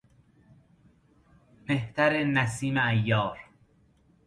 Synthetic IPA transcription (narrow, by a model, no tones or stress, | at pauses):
meht̪ʰæɾenæsiːmeæjːɒːɾ